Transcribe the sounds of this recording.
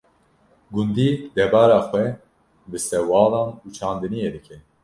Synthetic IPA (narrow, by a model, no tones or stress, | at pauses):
ɡund̪iːd̪ɛbɑːɾaːxwɛ | bɨsɛwɑːlɑːnuːt͡ʃʰɑːnd̪ɨnijed̪ɨkʰɛ